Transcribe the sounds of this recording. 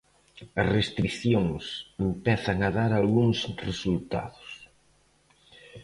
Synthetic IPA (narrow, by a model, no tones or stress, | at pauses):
ɐsrest̪ɾiθjoŋsempɛθaŋɐðaɾalɣuŋsresult̪a̰ðʊs